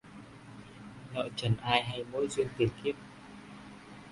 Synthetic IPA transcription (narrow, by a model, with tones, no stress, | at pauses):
nɔ̰˧˨t͡ɕə˨˩nʔaː˧jɦa˧jmo˨˥˦jzwi˧ənt̪i˨˩nki˦˥əp̚